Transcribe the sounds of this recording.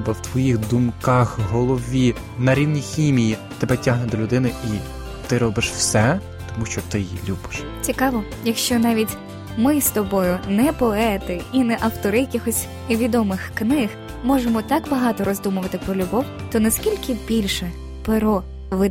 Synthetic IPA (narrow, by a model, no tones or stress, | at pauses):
bɐwt̪ʋɔjixd̪umkɑxɦɔlˠɔʋʲi | nɐɾʲiwnʲixʲimʲijit̪ɛbɛtʲaɦnɛd̪ɔlʲʊd̪ɪnɪi | t̪ɪɾɔbɪʃwsɛ | t̪ɔmuʃt͡ʃɔt̪ɪjḭlʲubɪ̥ʃ | t͡sʲikɑʋɔ | jɐkʃt͡ʃɔnɑʋʲitʲ | mɪst̪ɔbɔjʊnɛpɔɛt̪ɪinɛʔɐwt̪ɔɾɪjɐkʲixɔsʲ | ʋʲid̪ɔmɪxknɪx | mɔʒemɔt̪ɑkbɐɦɑt̪ɔɾɔzd̪umʊʋɐt̪ɪpɾɔlʲʊbɔw | t̪ɔnɐskʲilʲkɪbʲilʲʃɛ | peɾɔ | ʋɪ